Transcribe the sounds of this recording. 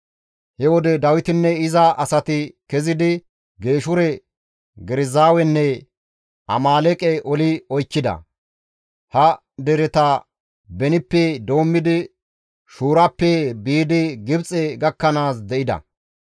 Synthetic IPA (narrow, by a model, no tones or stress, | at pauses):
hɛwɔd̪ɛd̪ɐwɪt̪ɪnːɛɪzɐʔɐsɐt̪ɪkɛzɪd̪ɪ | ɡe̞ːʃʊɾɛ | ɡɛɾɪzaːwɛnːɛ | ʔɐ̰maːlɛkʼɛʔɔlɪɔjt͡ʃːɪd̪ɐ̰ | hɐ | d̪ɛɾɛt̪ɐ | bɛnɪpːɛd̪o̞ːmːɪd̪ɪ | ʃuːɾɐpːɛbiːd̪ɪɡɪbt͡sʼɛɡɐkːɐnaːs̬d̪ɛʔɪd̪ɐ̰